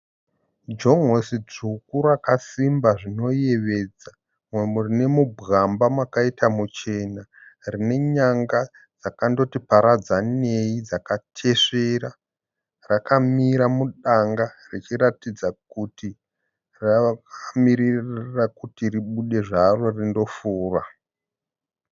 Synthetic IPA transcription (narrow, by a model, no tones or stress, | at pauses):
d͡ʒo̞ŋosid͡zukurakasimbaʐino̞jeʋe̞ːd͡za | mwemurine̞mubʱɣambamwakaitamut͡ʃe̞narine̞ɲaŋɡa | d͡zakando̞tipaɾad͡zane̞id͡zakatʰe̞ʂeɾa | rakamiɾamuɗaŋɡa | rit͡ʃiɾatid͡zakuti | rakamiɾirrakutiriɓuɗe̞ʐaro̞rindo̞fuːra̰